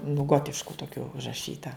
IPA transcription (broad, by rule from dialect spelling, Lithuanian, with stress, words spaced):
nʊ ˈɡoːtʲɪʃkʊ toːˈkʲʊ ʊʒrɐˈʃʲiːtɐ